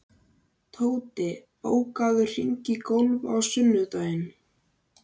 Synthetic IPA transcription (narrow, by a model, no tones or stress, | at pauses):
t̪ʰoːwt̪ɪ | o̰ːwkaðʏr̥iɲcɪkowlva̰wsʏnːʏt̪ajɪn